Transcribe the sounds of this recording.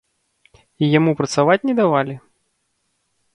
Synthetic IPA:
ijamupɾɐt̪savat͡sʲnʲɛd̪avalʲi

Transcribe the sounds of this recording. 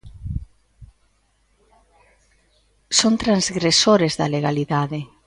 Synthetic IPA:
sont̪ɾanzɣɾesoɾezðɐleɣaliðaðe

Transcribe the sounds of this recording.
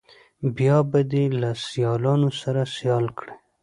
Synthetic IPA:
bjɑbad̪elasjɑlɑnosaɾasijɑlkɽe

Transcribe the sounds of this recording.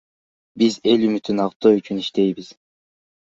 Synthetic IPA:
bize̞lymyt̪ynɑqt̪oyt͡ʃyniʃt̪e̞jbiz̥

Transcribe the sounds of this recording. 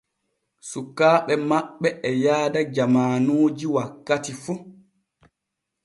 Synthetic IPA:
sukːaːɓɛmaɓːɛʔɛjaːdad͡ʒamaːnoːd͡ʒiwakːatifu

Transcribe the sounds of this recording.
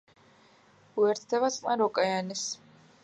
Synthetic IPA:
uɛɾt̪ʰd̪ɛβat̪sʼqʼnaɾɔkʼajanis

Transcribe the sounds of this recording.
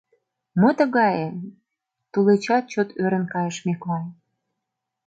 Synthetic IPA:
mət̪ə̆ɣɑje | t̪ulet͡ɕɑt̪̚t͡ɕot̪ʰøɾənkɑjəʃmeklɑj

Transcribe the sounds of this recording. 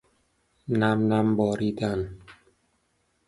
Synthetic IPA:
næmnæmbɒːɾiːd̪æn

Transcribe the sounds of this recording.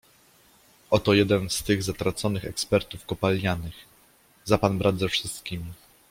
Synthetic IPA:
ɔt̪ɔjɛd̪ɛnst̪ɘɣzat̪ɾat̪sɔnɘxɛkspɛɾt̪ufkɔpalʲːjanɘx | zapanbɾʔad̪zɛfʂɘst̪kʲimʲi

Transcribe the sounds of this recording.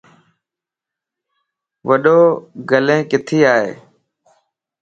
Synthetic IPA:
ʋəɗoːɡəlẽːkɪt̪ʰiːaːɦḛː

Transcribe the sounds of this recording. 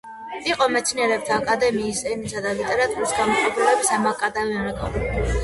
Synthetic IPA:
iqʼɔmɛt̪sʰinɛɾɛp̚t̪ʰaːkʼad̪ɛmiːsɛnisad̪alit̪ʼɛɾat̪ʼuɾisɡamɔχʼɔbɾɔɛbisamakʼad̪avɛɛmɾɛkʼɔ̰l

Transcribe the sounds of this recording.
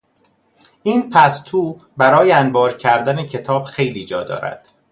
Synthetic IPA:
ʔiːnpʰæst̪ʰuːbæɾɒːjeænbɒːɾcʰæɾd̪æne̞cʰe̞t̪ʰɒːb̥xe̞jliːd͡ʒɒːd̪ɒ̰ːɾæ̰d̪̥

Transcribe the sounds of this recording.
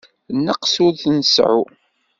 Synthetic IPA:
nːəqsʊɾθnəsʕṵ

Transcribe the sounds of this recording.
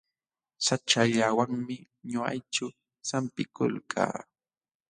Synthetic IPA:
sat͡ʃaʎawaŋmɪ | ɲʊa̰jt͡ʃʊ | sampɪkʊ̰lkʰa̰ː

